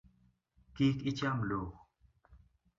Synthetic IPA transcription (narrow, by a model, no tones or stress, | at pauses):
kiːkit͡ɕamloːx